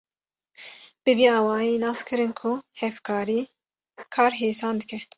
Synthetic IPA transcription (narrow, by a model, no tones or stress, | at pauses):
b̥ɨviːɑːwɑːjeːnɑːskʰɨɾɨnkʰʊhɛfkʰɑːɾiː | kʰɑːɾɦeːsɑːnd̪ɨkɛ